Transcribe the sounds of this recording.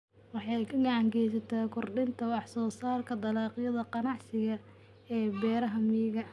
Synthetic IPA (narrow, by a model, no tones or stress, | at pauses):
wɑħɑjkʰɐɡɐʕɑŋkɛjs̬ɐt̪ʰɐkʰʊrɖɪnt̪ʰɐwɑħsɔːsaːrkʰɐd̪ɐlɑːqɪjɐðɐqɑnɑʕsɪɣɐ | ɛːbɛːɾɐɦɐmiːɣɐ